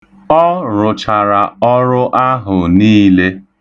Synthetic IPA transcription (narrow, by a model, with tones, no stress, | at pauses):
ɔ˦ɾʊ˨t͡ʃa˨ɾa˨ɔ˦ɾʊ˦ʔa˦ɦʊ˨niː˦le˦